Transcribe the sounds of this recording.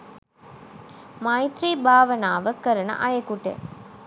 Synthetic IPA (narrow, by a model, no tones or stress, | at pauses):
mɐjt̪ɾiːbʱaːʋɐnaːʋəkəɾɐnɐ̰ʔɐjekuʈḛ